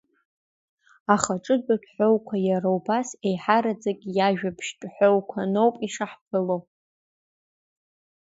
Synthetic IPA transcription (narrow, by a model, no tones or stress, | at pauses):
aχaʈ͡ʂʼɨdakʲʼħʷᶣowkʷʰajaɾawbase̞jħaɾad͡zakʲʼijaʒᶣapʰʃt͡ʃʼħʷowkʷʰano̞wpʼiʂaħpʰɨlo